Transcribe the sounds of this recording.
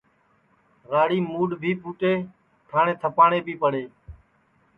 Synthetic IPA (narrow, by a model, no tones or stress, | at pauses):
ɣaːɽiːmuːɖbʱiːpuːʈeː | ʈʰaːɳẽːt̪ʰəpaːɳeːbʱiːpəɽeː